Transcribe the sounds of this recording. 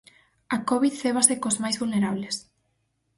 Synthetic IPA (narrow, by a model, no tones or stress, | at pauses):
akɔβiðθeβ̞asekozmajzβulneɾaβles